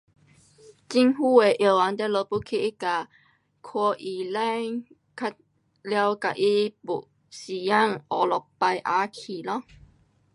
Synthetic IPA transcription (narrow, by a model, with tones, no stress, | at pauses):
t͡ɕi˧ŋɦu˥˧˩e˨˩ʔe˨˩˨wa˨˧˦nt̪ɛ˦lo˧pu˦kʰi˧ʔi˦˥ka˨˩ | kʰwɔ˧ʔi˨lɛ˥˧˦ | kʰa˦˧t̚ | lja˧wka˨ʔi˦pu˨ʔ | si˨ja˥˨ŋɔ˨˩lɔ˨˩k̚pa˧jʔa˧˦kʰi˨lɔ˦